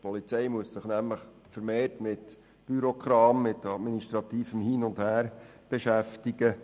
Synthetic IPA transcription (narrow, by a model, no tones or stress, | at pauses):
pɔlit͡sɛjmuəssɪχnæmləχ | fəɾmeːrtmɪt | b̥yɾɔkʰɾɑːmːɪtɑdminiʃtɾɑt̪iːfəmhiːnʊnd̥hæːɾ | b̥eʃæftiɡə